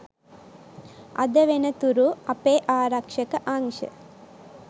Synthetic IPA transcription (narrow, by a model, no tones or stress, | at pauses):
ɐ̰d̪ɐʋenɐt̪uɾuɐpeːʔaːɾɐkʂɐkɐʔaŋʂɐ̰